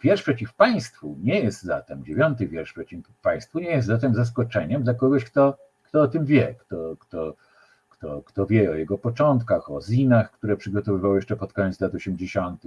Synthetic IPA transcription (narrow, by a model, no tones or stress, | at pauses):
vʲjɛɾʂpʂɛt͡ɕifpaj̃st̪fuɲɛjɛst̪za̰t̪ɛmd͡ʑevʲjɔnt̪ɘvʲjɛɾʂpʂɛt͡ɕi | paj̃st̪fuɲɛjɛst̪zat̪̬ɛmzas̬kɔt͡ʂɛɲɛmd̪lakɔɡɔɕkt̪ɔ | kt̪ɔɔt̪ɘmvʲjɛkt̪ɔkt̪ɔ | kt̪ɔkt̪ɔvʲjɛɔjɛɡɔpɔt͡ʂɔnt̪kaxɔzʲinaxkt̪uɾɛpʂɘɡɔt̪ɔvɘvawjɛʂt͡ʂɛpɔt̪̚kɔɲɛt̪slat̪ɔɕɛmd͡ʑeɕɔnt̪ɘx